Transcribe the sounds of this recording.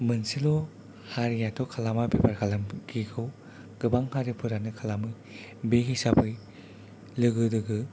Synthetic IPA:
mɯnsilo | haɾijatʰɔkʰalamabebaɾkʰalɐmɡikʰɯw | ɡ̥ɯbaŋhaɾipʰɯɾanɯkʰɐlamɯj | beɦisapʰɯj | lɯɡɯdɯɡɯ

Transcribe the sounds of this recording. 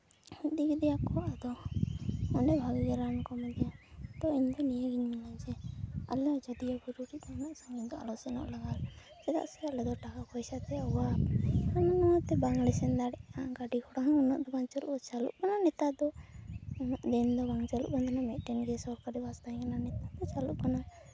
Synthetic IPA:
hid̪iɡɛd̪ɛjakɔad̪ɔ | ɔlɛbʱaɡiɡɛɾankɔmad̪ijat̪ɔiɲd̪ɔnijeɡiɲmalad͡ʒɛa̰lɛd͡ʒɔd̪ijaɡɔɾuɾianaʔsaŋiɲd̪ɔa̰lɔsɛnɔ̰ʔlaɡal | sɛd̪a̰ʔskalɛd̪ɔʈakakɔjsat̪ɛɔaamɔnɔt̪ɛbaŋɡlɛsɛnd̪aɽɛʔaɡaɖikʰɔɽaɦunɔ̰ʔ̪ɔbant͡ʃɔluʔɔt͡ʃalṵʔkananɛt̪ad̪ɔ | ʔd̪ɛnd̪ɔbaŋt͡ʃalṵʔkand̪ɔnamɛʔʈɛnɡɛsɔɾkaɾibast̪ãkananɛt̪ad̪ɔt͡ʃaluʔkana

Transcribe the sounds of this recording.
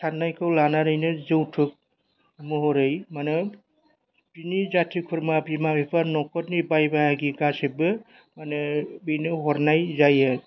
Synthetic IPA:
tʰaɾnajkʰɯwlanaɾɯjnɯzɯwtʰɯk̚ | mɯɦɔɾɯjmanɯ | binizatʰikʰɯɾmabimabipʰaɾnɔkʰɔɾnibajbaɦaɡiɡasebɯ | manɯbinɯɦɔɾnajzajɯ

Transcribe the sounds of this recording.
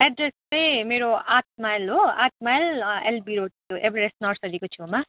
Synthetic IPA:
ɛɖreslejmeɾoat̪̚majlɦoa̰t̪̚majlḛlbiɾoʈtuʔebɾesnʌrsʌɾikot͡sʰuma

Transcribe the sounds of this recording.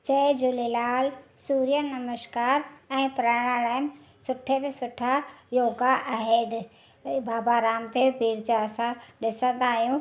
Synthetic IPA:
t͡ɕɐd͡ʑulelaːl | suːɾijənɐməʃkaːɾɛ̃ːpɾaːɽaːɭaːəm | sʊʈʰebesʊʈʰajoːɡaʔɐɦeːɖ | baːbaːɾaːmt̪ebʱiːɾd͡ʑaɐsãɗɪsə̃nd̪aːɦjũː

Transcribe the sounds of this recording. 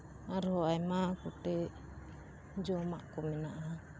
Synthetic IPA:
aɾhɔajmakuʈɛ | d͡ʒɔmaʔkɔminaʔa

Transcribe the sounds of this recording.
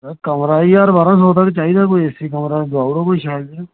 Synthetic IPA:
kəmɾaːiːaɾbaːɾãːsoːt̪aːket͡ʃaːiːd̪aːkoːiesiːkəmɾaːd̪aːuɽoːkoːiːʃaːjld̪e

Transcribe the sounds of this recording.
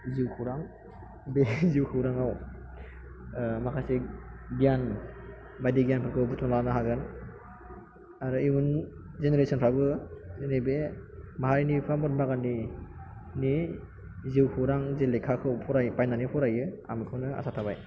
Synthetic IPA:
ziwkʰɯɾaŋ | beziwkʰɯwɾaŋaw | makʰasiɡijan | bajdiɡijanpʰɯɾkʰɯwbutmɔlanɯɦaɡɯn | aɾɯimun | zeneɾesɔnpʰabɯnibemaɦaɾinipʰamɔt̚maɡanːi | ni | ziwkʰɯɾaŋzelekʰakʰɯwpʰɔɾajpajnanipʰɔɾajɯa̰mikʰɯwnɯa̰satʰabaj

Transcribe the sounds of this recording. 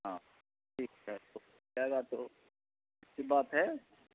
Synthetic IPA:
ɦãː | ʈʰiːkɦɛt̪o | aɡat̪o | ɪtsibaːt̪ɦɛː

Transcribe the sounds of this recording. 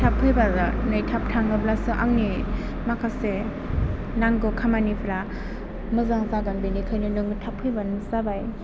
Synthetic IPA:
tʰapʰɯjbanɯjtʰap̚tʰaŋɡɯblasɯʔaŋni | makʰase | naŋɡɯkʰamanipʰɾa | mɯzaŋzaɡanbenikʰɯjnɯnɯŋɯtʰapʰɯjbanɯzabaj

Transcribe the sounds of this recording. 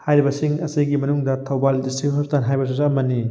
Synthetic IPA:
hajɾibɐsiŋɐsijɡimɐnuŋdɐtʰɐwbaldisiɦɐptanɦajbɐs̬izaɐmɐni

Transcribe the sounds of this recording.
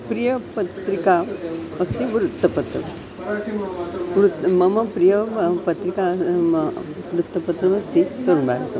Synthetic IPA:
pɾijəpət̪ɾikaəkst̪iʋɾut̪ːəpət̪ɾə | ʋɾut̪mɐməpɾijəpɐt̪ɾika | ʋɾut̪ːəpɐt̪ɾɐʋɐst̪it̪oɾuɳbaɾat̪o

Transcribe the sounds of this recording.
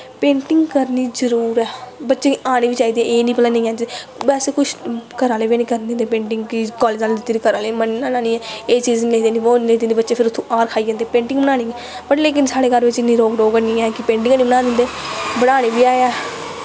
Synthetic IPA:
pẽːɳʈɪŋɡkəɾniːzəɾuːɾɛːbətːʃeːaːɽ̃eːʋiːt͡ʃaːiːd̪iɛeːnĩːpəlaːnẽːɛːd͡ʒbɛːseːkʊt͡ʃʰkəɾaːleːʋeːnĩːkəɾnd̪ẽnd̪eːpẽːɳʈɪŋɡkɪkɔːleːd͡ʒaːlːd̪ɪt̪ːɾiːkəɾaːleːmənːaːnaːniːɛːeːt͡ʃiːzniled̪eːnĩːʋoːed̪end̪ːbətːʃeːpʰɪɾʊt̪ʰːõːʔaːɾkʰaːid͡ʒãːnd̪eːpẽːɳʈɪ̃ŋɡbənaːniːɛː | pəʈleːk̬ɪnsaːɽeːɡəɾʋɪt͡ʃɪnːiːɾoːkɖoːkənĩːɛːkɪpẽːɳʈɪŋɡːnĩːbəɽãːd̪ɪnd̪eːbəɽaːɽeːʋiːaːeɛː

